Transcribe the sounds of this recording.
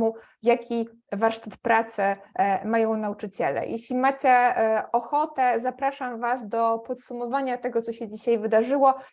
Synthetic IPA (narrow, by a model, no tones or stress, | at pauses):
u | jakʲi | vaɾʂt̪at̪pɾat̪sɘmajɔ̃w̃naut͡ʂɘt͡ɕɛlɛ̰jʔeɕlʲimat͡ɕɛɔxɔt̪ɛzapɾaʂamvasd̪ɔpɔt̪sumɔvaɲat̪ɛɡɔt̪sɔɕɛd͡ʑiɕajvɘd̪aʐɘwɔ